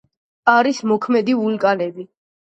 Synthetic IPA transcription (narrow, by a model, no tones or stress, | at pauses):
aɾismɔkʰmɛd̪iulkʼanɛbi